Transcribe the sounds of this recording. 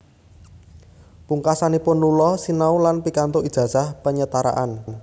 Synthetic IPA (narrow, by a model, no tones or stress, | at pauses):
puŋkasanipʊnlulɔsinaulanpikant̪oid̥ʒ̥ä̤sahpəɲət̪aɾa̰ʔan